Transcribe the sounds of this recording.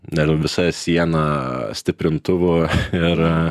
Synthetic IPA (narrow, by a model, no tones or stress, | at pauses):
nʲɛʋʲɪsɐsʲiɛnɑsʲt̪ʲɪpʲɾʲɪnt̪ʊʋʊɪr